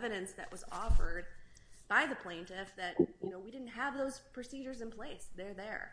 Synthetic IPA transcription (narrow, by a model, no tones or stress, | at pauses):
vɨɾɨ̃nsðɨ̰ʔwʌzɔfə˞d̚b̥aɪðɨpʰl̥ẽɪ̃ntʰɪfðɨt̚jɨnoʊwidɪdⁿn̩t̚ɦəvðoʊz̥pʰɹ̥ɨsid͡ʒə˞zɨ̃npʰl̥eɪsðə˞ðə̰˞